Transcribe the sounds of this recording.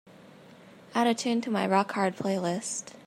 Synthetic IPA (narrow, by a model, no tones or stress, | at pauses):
aɾɨtʰʉ̃ntʰəmaɪɹɑkʰɑɹd̚pʰl̥eɪlɪst